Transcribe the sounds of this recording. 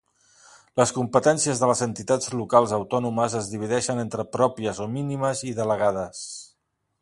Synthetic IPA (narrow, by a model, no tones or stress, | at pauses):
ləskumpət̪ɛnsiəzðələzənt̪it̪ad͡zlukalˠzəwt̪ɔnuməzəzðiβ̞iðɛʃənent̪ɾəpɾɔpiəzominiməziðələɣaðəs